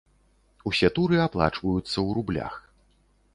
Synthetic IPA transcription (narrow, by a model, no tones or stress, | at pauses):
usʲɛt̪uɾɨaplˠa̰t͡ʂvɐjut̪sːɐwɾublʲa̰x